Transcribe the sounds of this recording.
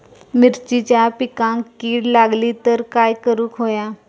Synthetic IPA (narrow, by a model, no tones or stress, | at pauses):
mɪɾt͡ɕit͡ɕapikãŋkːiːɽlaɡlit̪əɾkaːjkəɾũːkɦoja